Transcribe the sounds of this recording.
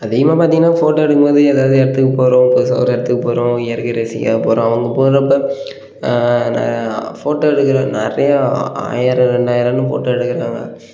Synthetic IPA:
ɐðiːɣɐmaːpaːɾt̪iŋɡɐnːaːfoːʈːoɛɽɯkːɯmboːðɯɛðaːʋɐðɯɛɽɐt̪ːɯkːɐpoːɾõːposɐ̰ːɾɛɽɐt̪ːɯkːɐpoːɾõɪjɐɾkɪɾeːsɪkːa̰poːɾõːɐʋɐŋɡɐpoːɾɐpːɐ | nɐ̰foːʈːoɛɽɯkːɪɾõːnɛɾɐjɐa̰ːjɐɾɐ̃ɾɛɳɖaːjɐɾɐ̃nːɯfo̰ːʈːoɛɽɯkːɐɾaːŋɡɐ̰

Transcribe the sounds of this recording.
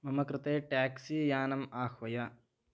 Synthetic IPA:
mɐmɐkɾɪt̪eːʈaːksijaːnɐmaːxʋɐjɐ

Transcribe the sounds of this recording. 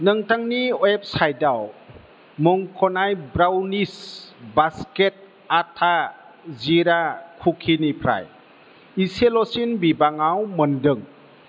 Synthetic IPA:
nɯŋtaŋniɔep̚sajdaw | mɔŋkʰɔnajbɾawnisbasket̚ | atʰa | ziɾakʰukʰinipʰɾa̰j | iselɔsinbibaŋawmɯndɯŋ

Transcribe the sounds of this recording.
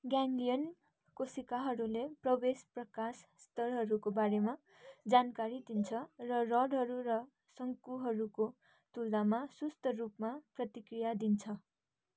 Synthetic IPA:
ɡjaŋɡlijʌn | kosikaɦʌɾuleprʌbesprʌkasːt̪ʌrɦʌɾukobaɾema | d͡zankaɾid̪int͡sʰʌrʌrʌɽɦʌɾuɾʌ | sʌŋkuɦʌɾuko | t̪uld̪amasust̪ʰʌrupmaprʌt̪ikrijad̪int͡sʰʌ

